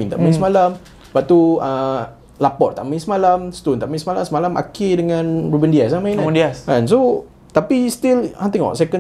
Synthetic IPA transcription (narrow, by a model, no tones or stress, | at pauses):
ĩŋt̪a̰ʔmãĩsmalam | b̥aʔ̚t̪uə | lapɔʔt̪a̰ʔmaĩnsmalamst̪ont̪aʔmãĩsmalamsəmalama̰kedəŋãnrubəndias̬amãj̃nəndiasãns̬o | t̪apist̪ilãnt̪ĩŋwa̰sɛkə̃n